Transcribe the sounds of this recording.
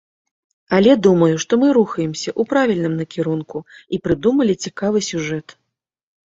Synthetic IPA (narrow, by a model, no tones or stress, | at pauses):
ɐlʲɛd̪umɐjuʂt̪ɔmɨɾuxɐjɛmsʲɐʔupɾavʲilʲnɨmnɐkʲiɾunkuipɾɨd̪umɐlʲit͡sʲikavɨsʲuʐɛt̪